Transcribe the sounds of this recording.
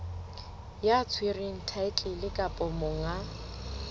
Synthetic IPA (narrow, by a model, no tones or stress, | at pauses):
jat͡sʰwirɪŋ̩tʰaɪt͡ɬʼɪlɪkʼapʼɔmʊŋa